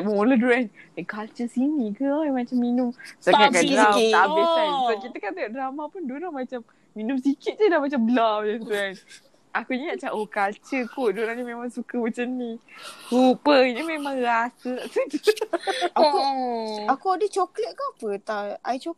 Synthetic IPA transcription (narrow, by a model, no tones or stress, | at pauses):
mmoləduɾanakalt͡ʃəsinikəajmat͡ʃamːinʊmsakakandawt̪aʔisabaʔkit̪əkant̪ajoʔdɾamapunduɾaŋmat͡ʃamː | inʊmsikɪt̪̚d͡ʒədahmat͡ʃambəlawdant̪uan | akuɲiɲaʔt͡ʃaʔokalt͡ʃəkodoɾanɲəmemaŋsukəmat͡ʃamnikupəɲəmemãŋɾasət̪aʔsət | auakuadət͡ʃoklət̪̚kapət̪aajt͡ʃo